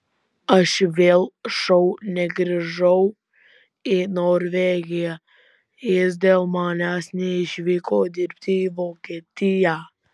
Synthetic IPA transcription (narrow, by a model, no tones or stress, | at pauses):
ɐʃʋʲeːlˠʃɐʊnʲɛɡɾʲɪʒɐʊ | ɪnoːɾʲʋʲeːɡʲɪjæ | jɪsd̪ʲeːlˠmɑːnʲæːsnʲɛɪʃʲʋʲiːkoːd̪ʲɪɾʲp̚ʲt̪ʲɪiʋoːkʲeːt̪ʲɪjæː